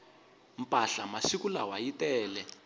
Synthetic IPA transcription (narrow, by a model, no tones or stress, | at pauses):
m̩pʼaɬamaʃikulawajitɛːlɛ